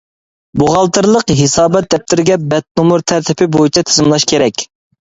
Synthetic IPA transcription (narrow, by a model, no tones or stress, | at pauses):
boʁɑlˠt̪ʰɨɾlˠəqɦɪsɑːbɛt̪̚d̪ɛp̚t̪ʰɪɾɪɡʲɛbɛt̪̚nomuɾt̪ʰæɾt̪ʰɪpʰɪbojit͡ʃʰɛt̪ʰɪ̥zɪmlˠɑʃkʲʰeɾɛkʲ